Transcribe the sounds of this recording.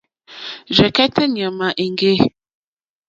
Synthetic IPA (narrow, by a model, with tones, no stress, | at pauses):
d͡ʒɛ˨kɛ˦tʰɛ˦ɲ˨ə˨ma˨ʔe˨ŋɡe˦